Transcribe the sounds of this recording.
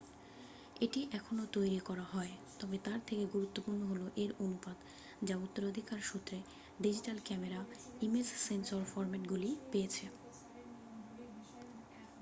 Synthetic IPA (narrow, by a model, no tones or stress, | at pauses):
eʈiʔɛkʰonot̪ojɾikɔɾaɦɔet̪ɔbet̪aɾt̪ʰekeɡuɾut̪ːopuɾnoɦoloʔeɾonupad̪ | d͡ʑaut̪ːoɾod̪ʱikaɾʃut̪ːɾe | ɖid͡ʑiʈalkɛmeɾaimesːensoɾfɔɾmeʈɡulipejet͡ɕʰe